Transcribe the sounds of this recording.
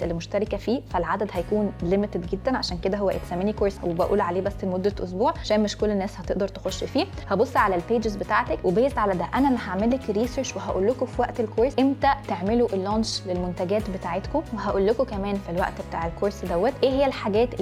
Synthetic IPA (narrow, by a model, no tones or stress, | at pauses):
ʔelːimoʃt̪æɾˤekæfiːfælʕad̪æd̪hæjækuːnlemet̪ed̪ɡed̪ːænʕaʃæːnked̪æɦowːæʔḛt̪sæmːenikoɾswebæʔuːlʕaleːbæsːemod̪ːæʔo̰s̬buːʕaʃæːnmeʃkolːenːæːshæt̪eʔd̪ɑɾˤt̪exoʃːfiːhæbosˤːʕalælpeːd͡ʒezbet̪aːʕt̪ækwebæjest̪ʕalæd̪æʔænælæɦaʕmelːekɾiːseɾt͡ʃweɦæʔṵːlːokofiwæʔt̪elkoɾsʔemt̪æt̪eʕmeloʔelːɑːnʃlelmont̪æɡæːt̪bet̪aːʕet̪komweɦæʔuːlːokokæmæːnfilwæ̰ʔt̪bet̪aːʕelkoːɾsd̪æwːæt̪ʔeːɦejːælħaɡæːt̪